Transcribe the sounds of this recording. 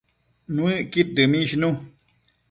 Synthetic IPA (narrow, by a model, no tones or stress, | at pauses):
nũɨʔkit̚dɨmĩʃnũ